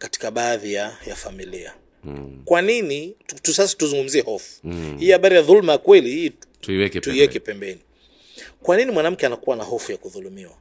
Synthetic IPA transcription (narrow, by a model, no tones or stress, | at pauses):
kati̥kaɓaːðijajafamilia̰ | kwaninitusasḁtuzuŋɡum̩ziɛhɔfu̥hiihaɓaɾijaðulmajakwɛlihiɛktuiwɛkɛpɛmbɛni | kwaninimwanam̩kɛanakuwanahɔfujakuðulumiwa